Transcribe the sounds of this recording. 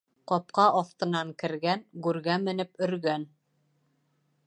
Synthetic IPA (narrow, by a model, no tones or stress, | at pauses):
qɒp̚qɑʔɑθt̪ɤ̆nɑŋkɘ̆ɾɡænɡʉɾɡæmɘ̆nɘpɵ̆ɾɡæn